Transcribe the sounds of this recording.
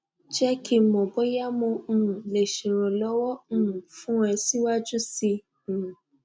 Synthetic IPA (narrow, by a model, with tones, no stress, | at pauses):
d͡ʒɛ˦ki˧˨mɔ̃˨bo˨˦ja˦mõ˧˨le˨ʃe˨ɾ̃ɔ̃˨lɔ˦wɔ̃˦˨fũ˦ɛ˧si˦wa˦d͡ʒu˦sĩ˧˨